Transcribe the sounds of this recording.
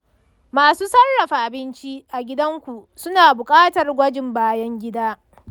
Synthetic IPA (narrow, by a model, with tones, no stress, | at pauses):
maː˨suː˦sɐ˦rːɐ˨ɸaː˨ʔa˨bɪ˦nt͡ʃi˦ʔa˨ɡʲɪ˦dɐ˦ŋkʷu˨sʊ˦naː˨bʊ˨kʼaː˦tɐ˨rɡʷɐ˦d͡ʒɪ˨mbaː˦jɐ˦ŋɡʲɪ˦daː˦